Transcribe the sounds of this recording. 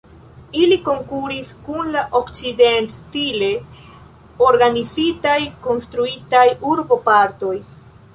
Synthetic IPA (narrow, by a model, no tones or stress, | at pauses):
iliko̞ŋkuɾiskunlaʔo̞kt͡side̞ntstile̞ | o̞ɾɡanizitajko̞nstɾuitajuɾbo̞paɾto̞j